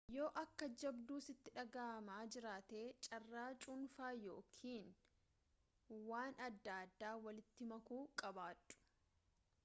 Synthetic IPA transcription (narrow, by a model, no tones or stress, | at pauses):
jo̞ːʔɐkːɐd͡ʒɐbd̪uːsɪt̪ːɪᶑɐɡaːmaːd͡ʒɪɾaːt̪eːt͡ʃʼɐrːaːt͡ʃʼʊnfaːjo̞ːkʰiːn | waːnɐd̪ːaːd̪ːaːwɐlɪt̪ːɪmɐkuːkʼɐbaːᶑʊ̥